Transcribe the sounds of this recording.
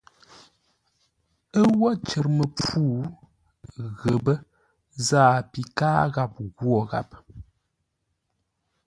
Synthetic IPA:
ə˦wɔ˦t͡ʃə˨ɾmə˨p͡fuː˦ | ɣə˨bə˦ | zaː˦˨pi˨kaː˦ɣa˦˨p̚ɣwɔ˨ɣa̰˨p

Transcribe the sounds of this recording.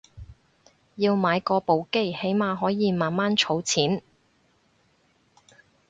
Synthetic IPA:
jiː˧wmaː˨˧jkɔː˧po˨˧wke˥˩he˨˥jmaː˨˧ɦɔː˨˥jiː˨˧maː˨nmaː˥nt͡ʃʰo˨˥wt͡sʰiː˨˥n

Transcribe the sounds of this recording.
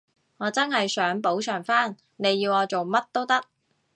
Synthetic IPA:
ŋɔː˨˧t͡sɐ˥nɦɐ˨jsœː˨˥ŋpo˨˥wt͡ʃʰœː˨˩ŋfaː˥n | ne˨˧jːiː˧wɔː˨˧t͡so˨wmɐ˥t̚t̪o˥wt̪ɐ˥k̚

